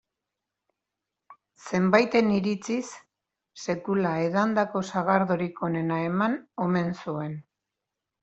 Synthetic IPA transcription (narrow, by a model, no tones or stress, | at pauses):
se̞mbajt̪e̞niɾit͡sisː | e̞kulae̞ðand̪ako̞saɣaɾðoɾiko̞ne̞nae̞mano̞me̞nsue̞n